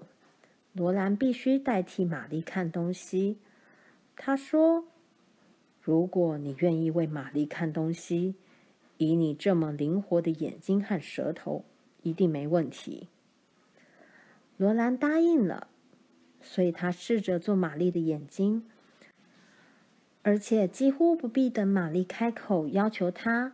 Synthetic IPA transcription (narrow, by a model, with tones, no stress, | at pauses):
lwɔ˧˥la˧˥npi˥˩ɕy˥t̪a˥˩ɪt̪ʰi˧˥ma˨˩li˥˧kʰa˥˩nt̪ʊ˥ŋɕi˥ | t̪ʰa˥ʂwɔ˥ | ɻu˧˥kwɔ˨˩˦ni˨˩ɥɛ˥˧ni˥˧we˥˩ɪma˨˩li˥˩˧kʰa˥˩nt̪ʊ˥ŋɕi˥ | i˧˥ni˨˩ʈ͡ʂɤ˥˩mə˩li˧˥ŋxwɔ˧˥d̪ə˧jɛ̰˨˩nt͡ɕi˥ŋxa˥˩nʂɤ̰˧˥t̪ʰo˧˥ʊ | i˧˥t̪i˥˩ŋme˧˥ɪwə˥˩nt̪ʰḭ˧˥ | lwɔ˧˥la˧˥nt̪a˥i˥˩ŋlə̰˩ | swɔ˧˥i˨˩t̪ʰa˥ʂɻ̩˥˩ʈ͡ʂə˨t͡swɔ˥˩ma˨˩li˥˩d̪ə˩jɛ˨˩nt͡ɕi˥ŋ | ə˞˧˥t͡ɕʰjɛ˨˩t͡ɕi˥xu˥pu˧˥pi˥˩d̪ə˧˩ma˨˩li˥˩kʰa˥ɪkʰo˨˩ʊjɑ˥ʊt͡ɕʰjo˧˥ʊt̪ʰa˥